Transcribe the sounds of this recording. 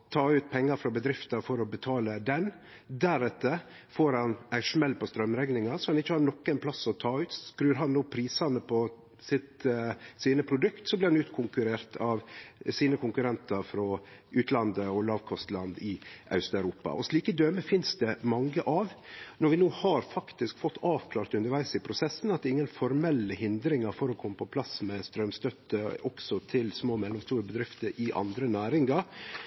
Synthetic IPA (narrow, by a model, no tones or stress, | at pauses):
t̪ʰɑːʉːt̪̚pʰɛŋːɑɾfɾɔbəd̪ɾɪft̪ɑfɔɾɔbət̪ʰɑːləd̪ɛn | d̪æɾɛt̪ːə | foːɾhɑnæɪʂmɛlːpɔst̪ɾœmɾɛɡnɪŋɑsɔhɑnɪçːəhɑːɾnɔkːɛnpʰlɑsɔt̪ʰɑːʉːt̪sɔskɾʉːɾɦɑnːoːpʰɾiːsɑnəpʰɔ | sɪt̪siːnəpʰɾʊd̪ʉkt̪sɔbliɪhɑnʉːt̪kʰʊŋkʉɾeːɾt̪ʰɑʋsiːnəkʰʊŋkʉɾɛnt̪ɑɾfɾɔʔʉːt̪lɑnd̪əɔlɑːʋkʰɔst̪lɑnd̪ɪʔɑ̰ʉst̪œʉɾuːpɑ̰ʔɔsliːkəd̪øːməfɪnsd̪ɛmɑŋːəʔɑʋnɔɾʋɪnuːhɑɾfɑkt̪ɪskfɔt̪ːɑːʋkʰlɑːɾt̪ʉnəɾʋæɪsɪpʰɾʊsɛsn̩ɑt̪̚d̪ɛɪŋːənfɔɾmɛlːəhɪnd̪ɾɪŋɑɾfɔɾɔkʰɔmːəpʰɔpʰlɑsmɛst̪ɾœmst̪œt̪ːəɔksɔt̪ʰɪlsmoːmɛlːɔmst̪uːɾəbəd̪ɾɪft̪əɾʔɪʔɑ̰nd̪ɾənæːɾɪŋɑɾ